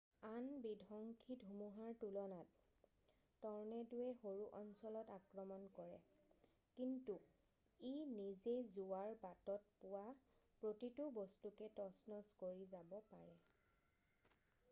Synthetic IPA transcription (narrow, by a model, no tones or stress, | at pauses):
anbidʱɔŋkʰidʱumuɦaɹtulɔnatː | ɔɹnɛdujɛxoɹuʔɔnsɔlɔtakɹɔmɔnkɔɹɛ | kintu | enizezuaɹbatɔt̚pʊwapɹotitʊbɔstukɛtɔsnɔskoɹizabɔpaɹɛ